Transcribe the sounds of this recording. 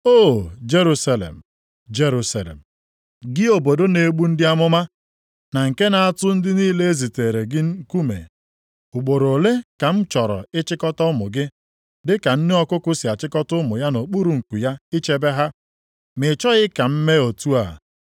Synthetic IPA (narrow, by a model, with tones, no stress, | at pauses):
o˦˨d͡ʒe˦ɾu˦sa˦lḛ˨m̩˨ | d͡ʒe˦ɾu˦sa˨lḛ˨m̩˨ | ɡɪ˦o˨bo˨do˦ne˨ɡ͡bu˦n̩˦dɪ˦a˦mʊ˦ma˦ | na˨ŋ̩˨ke˦na˨a˦˨tʊ˦n̩˦dɪ˦niː˦le˦e˦zi˨te˨ɾe˨ɡɪ˦ŋ̩˦ku˦mḛ˨ | ʊ˨k͡po˨ɾo˨le˦ka˨m̩˦t͡ʃɔ˨ɾɔ̰˨ɪ˦t͡ʃɪ˦kɔ˦tɔ˦mʊ˨ɡɪ˦ | dɪ˦ka˨n̩˦nɪ˦ɔ˦kʊ˦kʊ˦sɪ˨a˨t͡ʃɪ˦kɔ˦tʊ˦mʊ˨ja˦no˨k͡pu˦ɾu˨ŋ̩˨ku˨ja˦i˦t͡ʃe˦be˦ɦa˦ | mɪ˨t͡ʃɔ˦ɣɪ˦ka˨m̩˦me˦o˨tu˦a˨